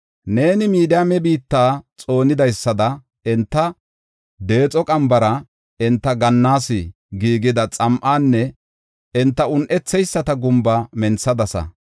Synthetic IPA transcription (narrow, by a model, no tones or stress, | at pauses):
ne̞ːnɪmiːd̪ɪamɛbiːt̪ːaːt͡sʼo̞ːnɪd̪ɐjsːɐd̪ɐ | ɪnt̪ːɐ | d̪e̞ːt͡sʼɔkʼɐmbɐɾɐ | ɪnt̪ːɐɡɐnːaːsɪ | ɡiːɡɪd̪ɐt͡sʼɐmʔaːnːɛ | ɪnt̪ːɐʊnʔɛt͡sːɛjsːɐt̪ɐɡʊmbɐmɛnsɐd̪ɐsɐ̰